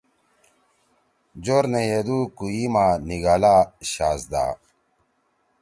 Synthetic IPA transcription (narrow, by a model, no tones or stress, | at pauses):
d͡ʑoɾnejed̪ukujimaːniɡaːlaːɕaːsd̪a̰ː